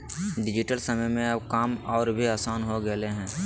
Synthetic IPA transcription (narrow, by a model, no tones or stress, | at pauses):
ɖɪd͡ʒɪʈəlsəməjmẽɐbkaːmɔːɾbʱiaːsaːnɦoɡəleɦɛ̃ː